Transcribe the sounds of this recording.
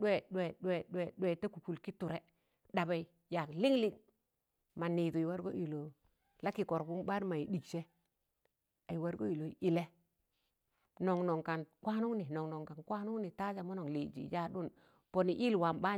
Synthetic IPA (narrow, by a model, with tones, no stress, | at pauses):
ɗɛ˦˨ɗɛ˨ɗɛ˨ɗɛ˨ɗwɛ˨te˦ku˨ku˨lki˦tu˨ɾɛ˨ | ɗa˨ba˨i˨ | ja˨kli˦ŋli˦ŋ | ma˨ni˨du˨i˨wa˦ɾɡo̰˦ʔi˨lo˨ | la˦ki˨kɔ˨ɾbu˦mba˦ɾma˨i˨di˨kt͡ʃe˦ | a˨ji˨wa˦ɾɡo˦i˨lo˨i˨lɛ˦ | nɔ˨ŋnɔ˨ŋka˨nkʷwʷa˦nu˦ŋni˨nɔ˨ŋno˨ŋka˨nkwa˦nu˦ŋni˨ta˦d͡ʒa˨mo˦no˨li˨d͡ʒḭ˨˦ja˦ɗu˦n | po˨ni˨ʔi˦lwa˨mba˦